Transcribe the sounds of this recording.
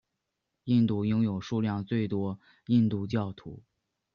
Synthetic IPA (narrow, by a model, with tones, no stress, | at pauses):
i˥˧nt̪u˥˩jʊ˥ŋjo˨˩ʊʂu˥˧ljɑ˥˧ŋt͡swe˥˩ɪt̪wɔ˥ | i˥˧nt̪u˥˧t͡ɕjɑ˥˩ʊt̪ʰṵ˧˥